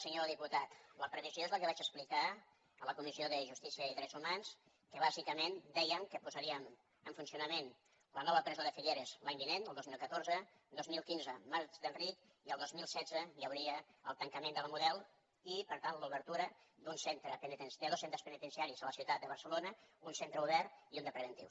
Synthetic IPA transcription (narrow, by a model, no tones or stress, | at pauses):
səɲoɾəðiput̪at̪ləpɾəβizjoezləkəβat͡ʃəsplika | ələkumizioðəʒust̪isiəiðɾɛzumans | kəβ̞azikəmend̪ɛjəmkəpuzəɾiəm | əɱfunsiunəmen | lənɔβəpɾɛzoðəfiʎeɾəzlaɲbinenəlˠd̪ozmilˠkət̪oɾzə | d̪ozmilˠkinzəmaɾt͡ʃðənrit̪ | iəlˠd̪ozmilˠsɛzəjəwɾiəəlˠt̪əŋkəmẽnd̪ələmuðɛlˠ | ipəɾt̪anluβəɾt̪uɾəd̪unsent̪ɾəpənit̪ənsd̪əðosent̪ɾəspənit̪ənsiaɾizələsiut̪at̪d̪əβ̞ərsəlonəunsent̪ɾəuβɛriund̪əpɾəβənt̪ḭw